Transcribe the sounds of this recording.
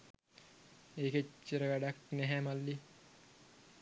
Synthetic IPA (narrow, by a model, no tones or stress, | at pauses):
eːket͡ʃːəɾəʋæɖɑknæɦæmalːi